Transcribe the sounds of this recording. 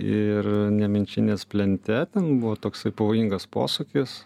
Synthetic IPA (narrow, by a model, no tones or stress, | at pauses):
ɪrnʲɛmʲɪnʲt͡ʃʲɪnʲeːspʲlʲɛnʲt̪ʲɛt̪ʲɛnbʊʋoːt̪oːksɐɪpɐʋoːjiŋɡɐspo̰ːsʊkʲɪs